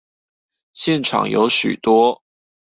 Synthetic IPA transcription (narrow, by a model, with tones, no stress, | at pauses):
ɕjɛ˥˨nʈ͡ʂʰɑ̰˨˩ŋjo̰˧˥ʊɕy̰˨˩t̪wɔ˥